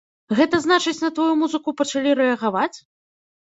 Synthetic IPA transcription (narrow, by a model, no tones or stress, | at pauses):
ɣɛt̪ɐzn̪at͡ʂɨt͡sʲnɐt̪vajumuzɨkupɐt͡ʂalʲiɾɛɐɣavat͡sʲ